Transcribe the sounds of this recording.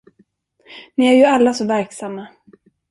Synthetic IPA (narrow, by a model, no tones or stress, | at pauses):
niæɾjɵalːasɔvæɾksamːa